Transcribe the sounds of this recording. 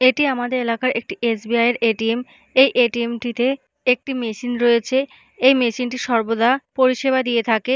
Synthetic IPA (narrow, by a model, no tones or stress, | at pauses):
eʈiamad̪eɾelakaɾʔek̚ʈiʔesbiajeɾeʈiem | ejʔeʈiemʈit̪e | ek̚ʈimeʃinɾoet͡ɕʰe | ejmeʃinʈiʃɔɾbod̪apoɾiʃebad̪iet̪ʰake